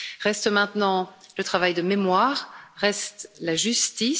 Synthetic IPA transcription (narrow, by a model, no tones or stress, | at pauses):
ʁɛst̪mɛ̃t̪nɑ̃lət̪χavajd̪əmemwaːʁːɛst̪laʒyst̪i